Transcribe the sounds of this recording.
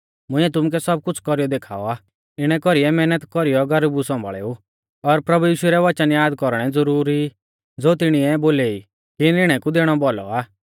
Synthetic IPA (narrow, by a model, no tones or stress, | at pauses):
mʊ̃ɪ̃ɛt̪̬ʊmuk̬ɛsɔb̚kʊt͡sʰkɔɾijɔd̪eːkʰa̰ːɔ̰aː | ɪɽ̃ɛkɔɾiɛmɛːnət̪kɔɾijɔɡɐɾbusɔ̃mbʱɭḛːu | ɔɾpɾɐbujiːʃʊɛɾɛʋɐt͡ʃənjaːd̪kɔɾɽ̃ɛd͡zɔɾuːɾi | d͡zoːt̪ɪɽ̃iɛboːleːi | kinɪɽ̃ɛkud̪eːɽ̃ɔbɔlɔ̰aː